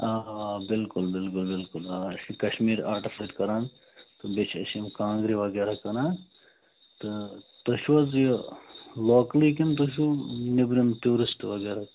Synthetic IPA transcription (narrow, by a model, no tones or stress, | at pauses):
aːbɪlkʊlbɪlkʊlbɪlkʊlaɐsikɐʃmiːɾaːɾʈifɐːʈkɐɾaːn | t̪ɨbet͡ʃʰɐ̰simkãːŋɡɾiʋɐɡeːɾakɐnaː | t̪ɨt̪ɐʃuʋɐzji | loːklikint̪oʃ̬unibɾint̪uːɾɪsʈʋɐɡeːɾa